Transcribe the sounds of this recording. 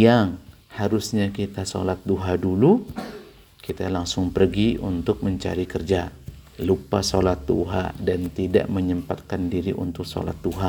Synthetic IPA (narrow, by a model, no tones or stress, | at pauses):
jaŋ | haɾʊsɲakit̪aso̰lat̪̚duɦadulu | kit̪alaŋsʊŋpərɡiṵnt̪ʊk̚məɲt͡ʃa̰ɾikərd͡ʒalupasolat̪̚dṵɦa̰dant̪ida̰ʔməɲəmpat̪̚kandiɾiʔṵnt̪ʊk̚so̰la̰t̪̚duɦa